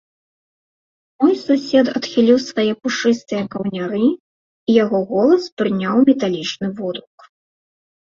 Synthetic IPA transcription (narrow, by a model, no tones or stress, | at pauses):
mɔjsusʲɛd̪ɐt̪xʲilʲiwsvajɛpuʂɨst̪ɨjɐkɐwnʲaɾɨ | ijaɣɔɣɔlˠɐspɾɨnʲawmʲɛt̪alʲit͡ʂnɨvɔd̪ɾuk